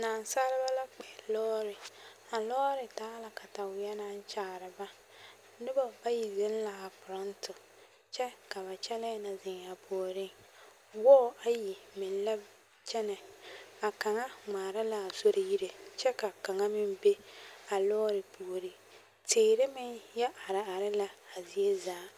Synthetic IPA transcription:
naː˨nsa˦ɾɪ˦ba˦la˦k͡pɛ˨lɔː˦ɾɪ˨ | a˨lɔ˦ɾɪ˨taː˦la˨ka˨ta˨wɪ˨jɛ˦na˦n˦t͡ʃaː˨ɾɪ˨ba˦ | nɪ˦bɔ˨ba˦ji˨ze˦n˦la˨a˨pʊ˨ɾɔ˦ntʊ˨ | t͡ʃɛ˦ka˨βa˨t͡ʃɛ˦lɛ˦na˨zɪ˨ŋ˨a˨pʰo˨o˨ɾɪ˦ŋ | wɔː˦˨a˦ji˨mɪ˨n˦la˦ | t͡ʃɛ˦nɛ˨a˨ka˨ŋa˦ŋ͡maː˨ɾa˦la˨a˨so˦ɾʔɪ˨ji˦ɾe˨t͡ʃɛ˦ka˨ka˨ŋa˦mɪ˦mbe˦a˨lɔː˦ɾɪ˨pu˨ɾi˦ | teː˨ɾɪ˦mɪ˦ŋjɛ˦ʔa˨ɾɪ˨a˨ɾɪ˦la˦a˨zi˨e˦zaː˨˦

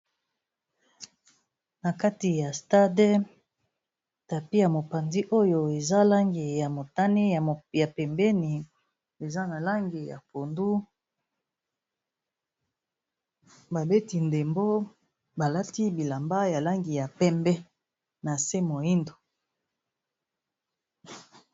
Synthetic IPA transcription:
na˨ka˦ti˨ja˨sta˦de˦ | ta˨pi˦ja˨mo˨pa˨ndi˦ʔo˦jo˨e˨za˦la˦ŋɡi˨ja˨mo˨ta˦ne˦˨ja˨pɛ˨mbɛ˦ni˨ | e˨za˦na˨la˦ŋɡi˨ja̰˨po˨ndu˦ | ba˨be˦ti˨nde˨mbo˦ | ba˨la˦ti˦bi˨la˨mba˦ja˨la˦ŋɡi˨ja˨pɛ˦mbɛ˦ | na˨se˦mo˨i˦ndo˨

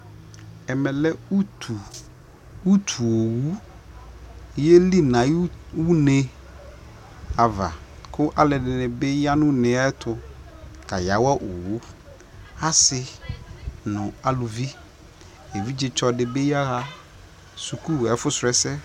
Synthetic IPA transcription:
ɛ˨mɛ˨lɛ˦u˦tʰu˨ | u˦tʰu˨o˨wu˦ | jɛ˦li˦nã˨˦wu˦nẽ˦ | a˨va̰˨kʰʊ˦ʔa˦lɪ˨dɪ˨nɪ̃˨bɛ˦ja˦nʊ̃˦nɪ̃˨a˦tʰʊ˨ka˨ja˨˦wa˦ʔo˨wu˦ | a˦sɪ˦ | nʊ̃˨a˨lu˨vi˦ | e˨vi˦d͡ʑɪ˨t͡ʃɔ˨dɪ˨be˦ja˦ɣa˦ | su˨ku˦˨ɛ˨˦fʊ˦sʊ˨ɾɛ˦sɛ˦

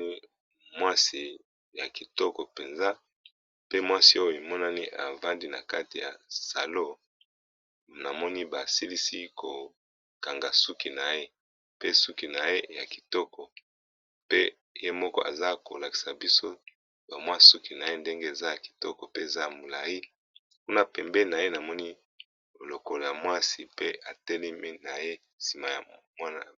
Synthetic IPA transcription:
i˦ | mwa˦si˨ | ja˨ki˨tɔ˦kɔ˨pe˨nza˦ | pe˦mwa˦si˦o˦jo˨e˨mɔ˦na˦ni˦ʔa̰˨va˦ndi˦na˨ka˦ti˨ja̰˨sa˨lo˦ | na˨mɔ˦ni˦ba˨si˦li˦si˦ko˨ | ka˨ŋɡa˨su˦ki˨na˨je˦ | pe˦su˦ki˨na˨je˦ja˨ki̥˨tɔ˦kɔ˨ | pe˦ | je˦mɔ˦kɔ̰˦ʔa̰˨za˦ko̰˨la˨ki̥˨sa˨bi˦so˦ | ba˨mwa˦su˦ki˨na˨je˦nde˦ŋɡe˦e˨za˦ja˨ki̥˨tɔ˦kɔ˨pe˦e˨za˦ja˨mo˨la˨ji˦ | ku˦na˦pɛ˨mbɛ˦na˨je˦na˨mɔ˦ni˦ | o˨lo˨kɔ˨lja˨mwa˦si˨pe˦a˨tɛ˦lɛ˦mi˦na˨je˦ | si˨ma˨ja̰˨mwa˦na̰˨

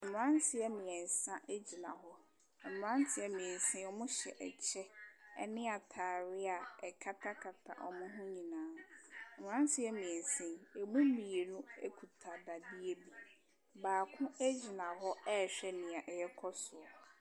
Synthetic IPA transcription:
ɛ˨nʊ̃˨ã˦ntʰɪ˨ɛ˦mĩ˨ɛ˨n˨sã˦ʔe˦d͡ʑi˨nã̰˨ɦɔ˦ | ɛ˨nʊ̃˨ã˦n˦tʰɪ˨ɛ˦mĩ˨ɛ˨n̩˨sɪ̃˦ɔ˦mʊ̃˦ɕɛ̰˨ʔɛ̰˨t͡ɕʰɛ˦ɛ̰˦nɪ̃˦a˨tʰaː˨ɾɪ˦a˨ɛ˨kʰa˦tʰa˦kʰa˨tʰa̰˨ʔɔ˨mʊ̃˦ɦʊ̃˦ɲĩ˨nãː˦ɛ˨nʊ̃˨ã˦n˦tʰɪ˨ɛ˦mĩ˨ɛ˨n˨sɪ̃˦e˨mũ˦mĩ˨e˨nũ˦e˦kʰu˨tʰa˨da˨di˦e˦bi˨ | baː˨kʰʊ̃˦æ˦d͡ʑi˨nã˨ɦɔ˦ɛ˦˨ɕᶣɛ˦˨nɪ̃˨a˨ʔɛ˨jɛ˦kʰɔ˦sʊ˨ɔ˨

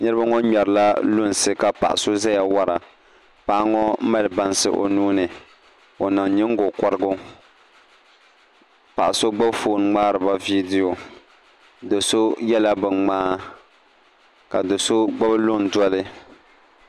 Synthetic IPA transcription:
ɲɛ˦ɾba˦ŋɔ˦ɲɛ˨ɾɨ˨la˦lʊ˦n˨sɨ˦ka˨pa̰˨ʔa̰˨so˦za˦ja˨wa˦ɾa˨ | pa˦ʔa˦ŋɔ˦mɛ˦lɨ˨ba˦n˦sɨ̰˦ʔo̰˨nuː˦nɨ˨ | o˨na˨ŋ˨ɲɪ˦ŋ˦ɡo˨kɔ˦ɾɨ˦ɡʊ˦ | pa˨ʔa˨so˦ɡ͡ba˦bfoː˨n˦ŋ͡maː˦ɾɨ˨ba˦vi˦di˦jo˨ | do˨so˦jɛ˦la˦bɨ˨ŋŋ͡maː˦ | ka˨dɨ˨so˦ɡ͡ba˦blʊ˦n˨dɔ˦lɨ˦

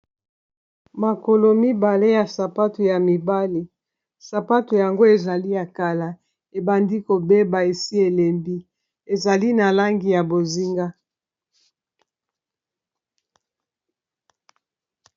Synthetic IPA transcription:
ma˨ko˨lo˨mi˦ba˨le˦ja˨sa˨pa˦tu˨ja˨mi˨ba˦li˨ | sa˨pa˦tu˨ja˨ŋɡo˦e˨za˨li˦ja˨ka˨la˨ | e˨ba˨ndi˦ko˨be˦ba˨e˨si˦e˨le˨mbi˦ | e˨za˨li˦na˨la˦ŋɡi˨ja˨bo˨zi˦ŋɡa˦

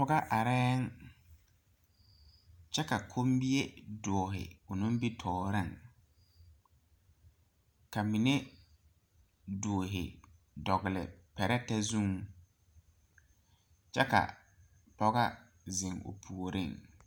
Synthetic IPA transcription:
pʊ˦ɡa˦ʔa˨ɾɛː˦ŋ | t͡ʃɛ˦ka˨kʰo˦mbi˦e˦dɔː˨ɦɪ̰˨ʊ˨nʊ̃˦bi˦tʰɔː˨ɾɪ˦˨ŋ | ka˨mi˨ne˦ | doː˨ɦɪ̰˨ | dɔ˨ɣɪ˨lɪ̰˨pɛ˨ɾɛ˦tɛ˦zu˦ŋ | t͡ʃɛ˦ka̰˨ | pɔ˦ɣa˦ | zɪ˨ŋʊ̰˨pʰu˨o˨ɾʔɪ̰˦˨ŋ

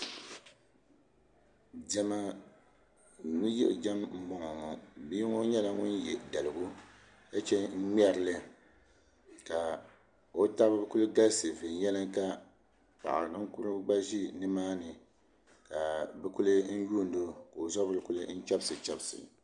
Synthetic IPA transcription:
d͡ʒɛ˦ma˦ | ŋi˦jɛ̰˦ʔd͡ʒa˦mm̩˦bɔ˨ŋɔ˨ŋɔ˨bi˦ŋo˦ɲɛ˦la˦ŋʊ˦njɛ˨da˨lɨ˨ɡu˦ | ka˦t͡ʃɛ˦ŋ̩˦mʲɛ˦ɾɨ˦lɨ˦ | ka˨ | o˦ta˦bɨ˦bɨ˦ku˦lɨ˦ɡa˦lsɨ˨vɨ˨n˨jɛ˦lɨ˦ŋka˦ | pa̰˨ʔa̰˨ɾŋ̩˦kʊ˦ɾɨ˦ɡ͡ba˦ʒi˦nɨ˦maː˦nɨ˨ | ka˨bɨ˦ku˦lɨ˦n̩˦juː˦˨n˦do˦ka˨o˨zɔ˦bɨ˦lɨ˦ku˦lɨ˦n̩˦t͡ʃa˦bsɨ˨t͡ʃa˦bsɨ̰˨

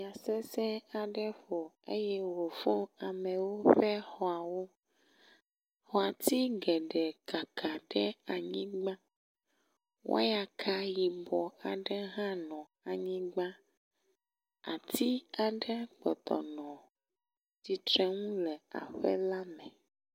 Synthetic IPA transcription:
a˨sɛ˦sɛ̃˦a˨ɖɛ˦ɸo˨ | ḛ˦jɛ˦wo˨fo˦a˨mɛ̃˨wo˦ɸɛ˦xɔ˦a˨wo˦ | hɔ˨a˨t̪i˦ɡɛ˨ɖɛ˨ka˨kʰa˨ɖɛ˦a˨ɲĩ˦ɡ͡bã˦ | wʔo̰˦ja˨kʰa˦ji˨bɔ˨a˨ɖɛ˦ɦã˦nɔ̃˨ | a˨ɲĩ˦ɡ͡ba˦ | a̰˨t̪ʰi˦a˨ɖɛ˦k͡pɔ̰˨t̪ɔ̰˨nɔ̃˨ | ti˨t̪ɾɛ˦ŋũ˦lɛ˨a̰˨ɸɛ̰˦la˦mɛ̃˨

